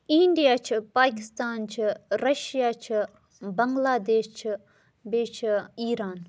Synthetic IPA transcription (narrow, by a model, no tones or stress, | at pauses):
ĩɳɖijaːt͡ʃʰipaːkɪst̪aːnt͡ʃʰiɾɐʃjaːt͡ʃʰi | bɐŋɡlaːd̪eːʃt͡ʃʰi | beːt͡ʃʰiːɾaːn